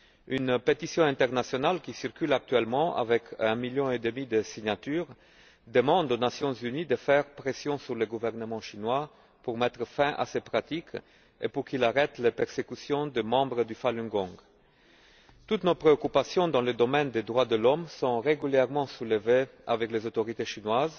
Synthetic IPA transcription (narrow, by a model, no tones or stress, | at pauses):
ynpet̪isjɔ̃ɛ̃t̪ɛʁnasjɔnalkʲisiʁkylak̚t̪ɥɛlmɑ̃ʔa̰vɛkʰɛ̃miljɔ̃ed̪əmid̪əsiɲat̪yːʁ | d̪əmɑ̃d̪onasjɔ̃zynid̪əfɛʁpχesjɔ̃syʁləɡuvɛʁnəmɑ̃ʃinwa | puʁmɛt̪χəfɛ̃ʔa̰sepχat̪ik | ḛpuʁkilaʁɛt̪lepɛʁsekysjɔ̃d̪əmɑ̃bʁəd̪yfalỹŋɡɔ̃ɡ | t̪ut̪nopχeokypasjɔ̃d̪ɑ̃ləd̪ɔmɛnd̪ed̪ʁwad̪əlɔmsɔ̃ʁeɡyljɛʁmɑ̃suləvea̰vɛklezot̪oʁit̪eʃinwaz